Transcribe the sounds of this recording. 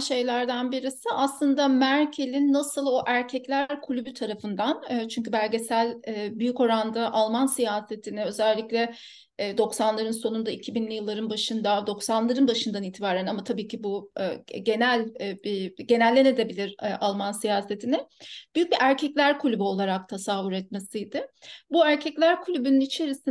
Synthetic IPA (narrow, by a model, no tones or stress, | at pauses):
ʃe̞jlʲæɾd̪anbiɾisɪʔaslˠɯnd̪amæɾcʰe̞lʲinːasɯlˠo̞ʔæɾcʰɛclʲæɾkʰulʲybyt̪ʰaɾafɯnd̪anːt͡ʃʰyɲc̬ybæɾʲɟe̞sælʲːbyjyco̞ɾand̪aʔalˠmansijaːse̞t̪ʰinɪø̞zælʲːiclʲɛː | d̪o̞ksanlˠaɾɯnso̞nund̪aicʰibinlʲijɯlˠːaɾɯnbaʃɯnd̪ad̪o̞ksanlˠaɾɯnbaʃɯnd̪aniːt̪ʰibaːɾænamat̪ʰabiːcʰibuɟe̞nælʲbiɟe̞nælʲːe̞ne̞d̪e̞bilʲiɾʔalˠmansijaːse̞t̪ʰinɪb̥yjyc̚biʔæɾcʰɛclʲæɾkʰulʲybyo̞lˠaɾak̚t̪ʰasavuɾɛt̪̚me̞sijd̪ɪbuæɾcʰɛclʲæɾkʰulʲybynynit͡ʃʰe̞ɾisi